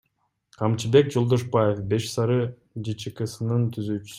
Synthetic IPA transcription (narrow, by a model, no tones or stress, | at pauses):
qʰɑmt͡ʃʰibe̞k̚d͡ʒolˠd̪oʃbajefbe̞ʃsɑɾɯ | d͡ʒit͡ʃikɯsɯnɯnt̪ʰyzyːt͡ʃy̥s